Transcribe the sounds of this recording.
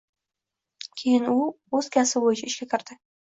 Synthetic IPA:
kʲʰejɪnu | ɵz̥kʲʰasɪbojɪt͡ʃʰaɪʃkʲakʲʰɪɾd̪̥ɪ

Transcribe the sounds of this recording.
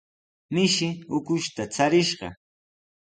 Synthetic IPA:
mɪʃɪʊkʊʃt̪at͡saɾɪʃɢɑ̰

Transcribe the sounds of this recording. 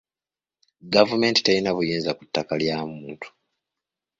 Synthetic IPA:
ɡavume̞ːnti̥telinaβujeːnzakutːakaljaːmuːntʰu̥

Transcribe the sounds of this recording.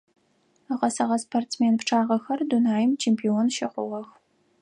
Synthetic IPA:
əʁɐsɐʁɐspʰortmeːnpʈ͡ʂʰaːʁɐxɐrdunaːjɪmt͡ʃʰeːmpʰioːnʃɪqʷʊ̰ʁɐx

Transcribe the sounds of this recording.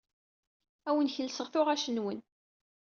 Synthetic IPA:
æwənçəlsəʁθʊʁæʃənwən

